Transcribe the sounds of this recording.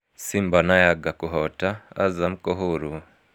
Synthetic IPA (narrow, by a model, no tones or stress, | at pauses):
simbanajaɡakuɦɔta̰ːzamukoɦuɾu